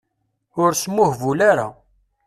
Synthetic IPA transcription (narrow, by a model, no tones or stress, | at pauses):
ʊɾsmːʊhvulaɾa̰